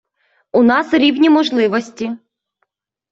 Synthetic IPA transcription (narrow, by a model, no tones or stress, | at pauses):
unɑsɾʲiwnʲimɔʒlˠɪʋɔsʲtʲi